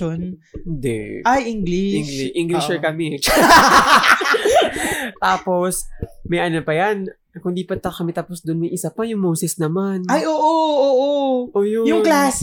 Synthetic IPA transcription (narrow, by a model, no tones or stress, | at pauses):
on | ɪnd̪ɛ̰ʔajʔɪŋɡliʔɪŋɡlɪʃɛkɐmɛ | t̪aːpo̞smɐjʔɐnopɐjan | kʊnd̪iːpɐt̪ːɐkɐmɛt̪aːposd̪onmɐjʔɪsapɐjʊŋmoːsɛsnɐmanajʔoːʔoʔoːʔoʔoːjojʊŋklaːs